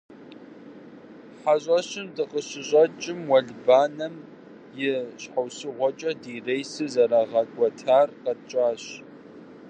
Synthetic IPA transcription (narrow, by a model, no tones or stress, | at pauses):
ħaɕʼɐɕɪmdɨqəɕɪʑʼɐt͡ʃʼɪmwɐɮbaːnɐm | jɪɕħawsɨʁʷɔt͡ʃʼɐdiːrejsɨzɐɾaːʁɐkʷʼɔtʰaːrqɐt͡ʃʼaːɕ